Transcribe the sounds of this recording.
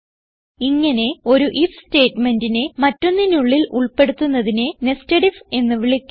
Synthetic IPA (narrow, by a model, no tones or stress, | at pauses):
iŋːɐne̞o̞ɾuʔifste̞ːtme̞ndinemɐtːo̞nːinuɭːilʔuɭpe̞ɽut̪ːunːɐðinenestɐɽife̞nːɨʋiɭikʲː